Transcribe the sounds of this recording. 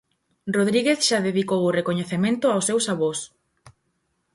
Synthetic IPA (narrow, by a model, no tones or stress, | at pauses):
roð̞ɾiɣeθʃaðeðikowʊrekoɲeθemẽnt̪ʊawsːewsaβos